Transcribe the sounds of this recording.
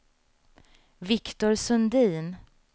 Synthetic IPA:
vɪkt̪ʊɾsɵnd̪iːn

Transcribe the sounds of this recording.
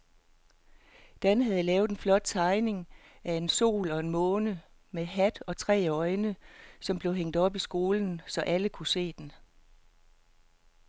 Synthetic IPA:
d̥ænɦæð̞̩ˠlɛːʊð̩ˠenflɒ̽d̥̚t͡sʰɑ̈ɪne̝ŋæe̝nso̝̰ːlɒ̽e̝nmɔ̽ːnə | meɦæd̥ɒ̽t͡sʰʁɛ̰ːɒ̽ɪnəsɒ̽mb̥le̝ʊɦeŋ̰d̥ɒ̽b̥isɡ̥o̝ːln̩sɒ̽ʔæləkʰuse̝̰ːd̥en

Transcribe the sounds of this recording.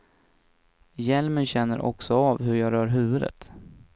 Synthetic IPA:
jɛlmənɕɛnːəɾʔɔ̰ksɔaːvɦɵɾjɑːɡɾœːɾɦʉ̟ːvɵd̪ə̰t̪

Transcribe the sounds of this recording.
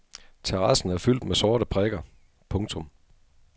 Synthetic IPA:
t͡sʰeʁɑ̈sn̩æɐfyl̰d̥mesɔːɾəpʰʁɛɡ̥ɐ | pʰɔ̽ŋt͡sʰɔ̽m

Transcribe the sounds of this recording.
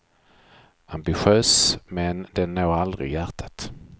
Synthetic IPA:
ambɪɧøːsmɛnd̪ɛnːoːald̪ɾɪ̰jæʈʰḁt̪

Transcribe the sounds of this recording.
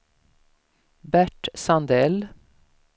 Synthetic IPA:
bæʈsɑnd̪eːl

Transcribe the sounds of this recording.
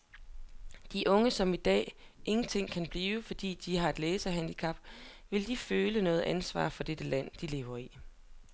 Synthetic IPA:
d̥iʔɔ̽ŋəsɒ̽mid̥ɛ̰ːʔe̝ŋn̩t͡sʰe̝ŋ̰kʰænb̥liːʊəfɒ̽d̥ḭːd̥iɦɑ̈e̝d̥leːsɐɦænd̥ikʰɑ̈b̥ʋe̝ld̥iføːlənɔ̽ːð̩ˠʔænsʋɑ̰̈ːfɒ̽d̥ed̥əlæn̰d̥ile̝ːʊɐi

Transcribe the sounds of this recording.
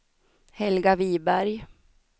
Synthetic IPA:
hɛlɡaviːbæɾj

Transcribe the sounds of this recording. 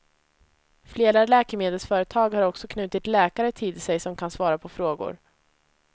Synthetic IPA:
fleːɾalɛːkəmeːd̪ɛlsfœːɾət̪ʰɑːɡhaɾɔksɔkʰnʉ̟ːt̪ɪt̪lɛːkaɾət̪ʰiːd̪ɪsɛjsɔmkʰansvɑːɾapʰɔfɾoːɡʊ̰ɾ

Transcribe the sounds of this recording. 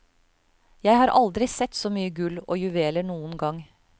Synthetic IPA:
jæɪhɑːɾʔɑld̪ɾɪsɛt̪ːsɔːmyːəɡʉlːo̰ːjʉʋeːləɳuːənɡɑŋ

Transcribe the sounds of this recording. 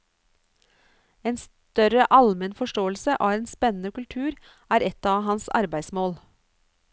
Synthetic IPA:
eːns | t̪œɾəʔɑlmənfɔʃʈoːəl̩səʔɑːeːnspɛnn̩əkʉlt̪ʰʉːɾ | æːɾɛt̪ɑːʋhɑnsɑ̰ɾbæɪsmoːl

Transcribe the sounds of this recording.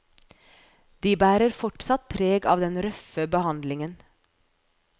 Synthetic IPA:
d̪iːbæːɾəɾfɔʈsɑt̪̚pʰɾeːɡɑːʋd̪ɛnɾœfəbəhɑnd̪lɪŋən

